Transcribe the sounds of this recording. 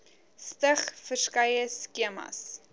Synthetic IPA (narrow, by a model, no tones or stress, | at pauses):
stəχfərskɐjəskiəmɐ̰s